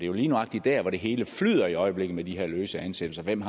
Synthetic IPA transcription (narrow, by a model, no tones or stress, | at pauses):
d̥e̝jo̝liːnuɑ̈ɡ̥̚d̥id̥æɐʋɒɾ̥e̝ɦe̝ːləflyð̰ˠɐiɒ̽ɪəb̥le̝ɡ̥ð̩med̥iɦeɐ̰løːsəæænsed̥l̩sɐʋem̰ɦ